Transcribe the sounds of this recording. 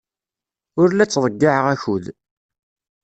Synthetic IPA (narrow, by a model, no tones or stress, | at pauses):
ʊɾlæt͡sːðˤəɡːaʕəʁæçuð